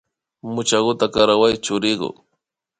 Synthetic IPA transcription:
mʊt͡ʃaɢʊt̪akaɾawajt͡ʃʊɾɪɢʊ̰

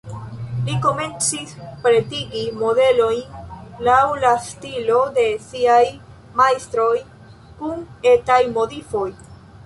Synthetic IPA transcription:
liko̞me̞nt͡sispɾe̞tiɡimo̞de̞lo̞jnlawlastilo̞de̞siaj | majstɾo̞j | kunetajmotifo̞j

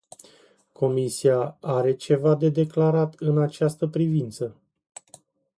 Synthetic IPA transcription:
kʰo̞misiaaɾe̞t͡ʃe̞vad̪e̞d̪e̞klaɾat̪ɨnat͡ʃast̪əpɾivint̪sə

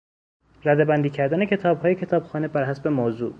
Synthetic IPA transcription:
ræd̪ebænd̪iːcʰæɾd̪æne̞cʰe̞t̪ʰɒːbhɒːjecʰe̞t̪ʰɒːbxɒːnebæɾɦæsbemoːzṵː

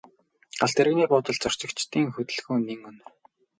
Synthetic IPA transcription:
aɬt̪ĕɾɣniːpʊːt̪ə̆ɮt͡sɔr̥t͡ɕɪ̆kt͡ɕt̪iːŋxɵt̪ɘ̆ɮxŭːniŋɵn

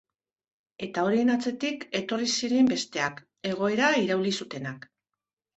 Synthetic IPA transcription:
e̞t̪ao̞ɾie̞nat͡se̞t̪ike̞t̪o̞risiɾe̞mbe̞st̪e̞ak | e̞ɣ̞o̞e̞ɾaiɾawlisut̪e̞nak

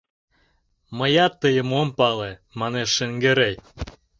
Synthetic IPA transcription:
məjɑt̪ːəjəmompɑlemɑneʃːəŋɡeɾej

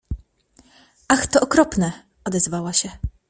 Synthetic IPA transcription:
ʔaxt̪ɔʔɔkɾɔpnɛ | ɔd̪ɛzvawaɕɛ

